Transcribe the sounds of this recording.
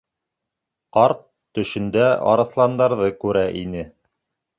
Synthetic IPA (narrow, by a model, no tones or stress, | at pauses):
qɑɾt̪ːɵ̆ʃɘ̆nd̪æɑ̰ɾɤ̆θlˠɑnd̪ɑɾðɤkʉɾæʔinɘ